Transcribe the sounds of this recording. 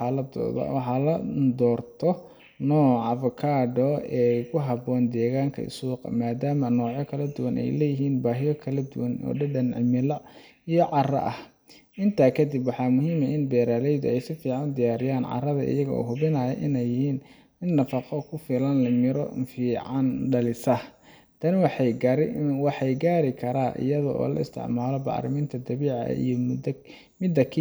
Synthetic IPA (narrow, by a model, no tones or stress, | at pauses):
ɑlɐd̪̰wɑħɑlɐd̪ɔːrt̪ʰɔ | nɔːʕɑfʊkʰaːɖɔɛːkʰʊɦɑbɔːnd̪ɛːɣaːŋkʰɐ̰ɪ̰suːqɐ̰maːd̪aːmɐnɔːʕjɔkʰɐlɐd̪ʊwɐnʔɛ̰jlɛjɪɦiːnbaːɦɪjɔkʰɐlɐd̪ʊwɐnɔ̰ːɖɐɖɐnʕɪ̰mɪlɐ | ijɔʕɑrɐ̰ʔɐh | ʔɪnt̪ʰaːkʰɐd̪ibwɑħɑːmʊɦiːmɐʔɪnbɛːɾaːlɛjd̪ʊɛjsɪfiːʕɑnd̪ɪjaːɾɪjaːnʕɑ̰rɐðɐ̰ʔɪ̰jɐɣɐɔ̰ːɦʊβɪnɐːjɐ̰ʔɪnɛjːɪhiːn | mɪd̪nɐfɑqɔkʰʊfɪlɐnlɐmɪɾɔ̰fiːʕɑnɖɐlɪsɐh | t̪ʰɐnwɑħjɡɾwɑħɑjɡaːɾɪkʰɐɾaːʔɪ̰jɐðɐ̰ʔɔ̰ːlɐ̰ɪ̰st̪ʰɪ̰ʕmaːlɔbɑ̰ʕɾɪ̰miːnt̪ʰɐd̪ɐβiːʕɑ̰ʔʔḭjɔd̪ | mɪd̪ɐkʰː